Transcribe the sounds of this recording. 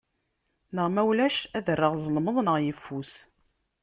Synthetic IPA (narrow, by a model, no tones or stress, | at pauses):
nəʁmæwlæʃæðərːəʁzˤəlməðˤnəʁjəfːus